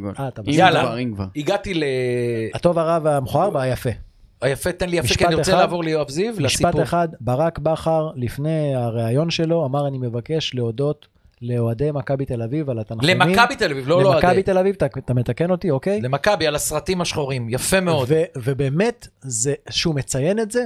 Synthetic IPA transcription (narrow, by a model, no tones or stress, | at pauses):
at̪amaalaavaiɡat̪ileat̪o̞vaʁavamχoaʁbaajafe̞ | ajafet̪enlijamieʃkaaniet͡selaːvo̞ʁlejoavzivlaʃsipatpeχad̪baʁakbaχaʁlifne̞aʁeajo̞nʃe̞lo̞amaʁanime̞vake̞ʃle̞odo̞t̪ | le̞oad̪e̞jmakabit̪e̞lavivalat̪anχleemamikabit̪elavivlolelomakait̪e̞lavivtat̪amet̪akeno̞t̪iokejlemakabialasʁat̪imaʃχoʁimjafemeod̪vevebeːme̞t̪zeʃume̞t͡saje̞netze